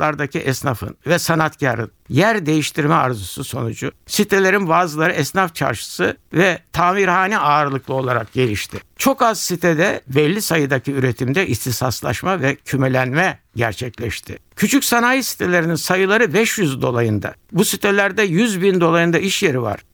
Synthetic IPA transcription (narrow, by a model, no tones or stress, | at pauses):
lˠaɾd̪acʰiʔɛsnafɯ̰nvɛsanat̪cʰaɾɯ̰njæɾd̪e̞jiʃt̪ʰiɾmɛaɾzususo̞nud͡ʒʊsit̪ʰelʲe̞ɾinbaːzɯlˠaɾɯɛsnaft͡ʃʰa̰ɾʃɯ̥sɯvɛt̪ʰaːmiɾhaːniaːɾɯlˠɯklˠɯo̞lˠaɾak̚ɟe̞lʲiʃt̪ʰɪt͡ʃʰo̞kazsit̪ʰɛd̪ɛbɛlʲːisajɯd̪acʰiyɾet̪ʰimd̪ɛʔist̪isaslˠa̰ʃmavɛcʰymelʲænmɛ | ɟæ̰ɾt͡ʃʰɛclʲɛʃt̪ʰɪcʰyt͡ʃʰycsanaːjisi̥t̪ʰelʲe̞ɾininsajɯlˠaɾɯbɛʃjyzd̪o̞̰lˠajɯnd̪a̰busit̪ʰelʲæɾd̪ɛjyzbind̪o̞lˠajɯnd̪aiʃje̞ɾiva̰ɾ̥